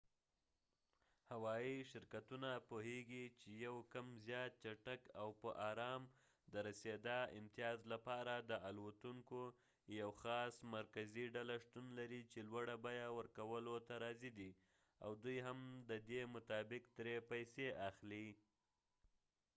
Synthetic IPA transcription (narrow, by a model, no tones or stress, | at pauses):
hawɑiʃɪɾkat̪unapoheɡit͡ʃejawkamzjɑt̪̚t͡ʃaʈakawpəʔɑɾɑm | d̪əɾased̪ɑɪ̰mt̪ijɑzlapɑɾad̪əʔalwat̪uŋko | jawxɑsmaɾkaziɖalaʂt̪unlaɾit͡ʃelwaɽabɑjawəɾkawəlot̪aɾɑzid̪i | a̰wd̪ujɦamd̪əd̪emʊt̪ɑbɪk̚d̪ɾepajseʔaxli